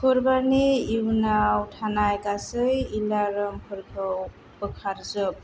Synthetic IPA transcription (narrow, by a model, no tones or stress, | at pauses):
kʰɯɾbaɾniiwnawtʰanajɡasɯjilaɾɯmkʰɯɾkʰɯw | b̥ɯkʰaɾzɯp̚